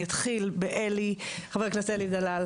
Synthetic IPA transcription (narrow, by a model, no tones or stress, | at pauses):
at̪χilbeʔeliχaveʁknaseelid̪alal